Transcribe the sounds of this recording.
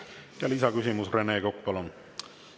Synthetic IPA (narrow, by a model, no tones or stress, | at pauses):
t̪ɑlisɑkysʲimusre̞ne̞ːkok̚pɑlon